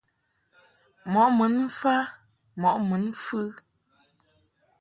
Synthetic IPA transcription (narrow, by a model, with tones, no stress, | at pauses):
mɔ˨˦ʔmɨ˨˦n̩˦fa˦ | mɔ˨ʔmɨ˨˦nfɨ˦